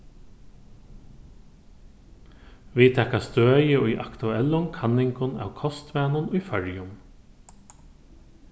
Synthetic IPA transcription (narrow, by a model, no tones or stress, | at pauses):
ʋit̪ʰɛkast̪øːjəʊjʔa̰kt̪ʉɛlːʊŋkʰanɪŋkʊna̰wkʰɔst̪ʋæːnʊnʊjfœɹjʊm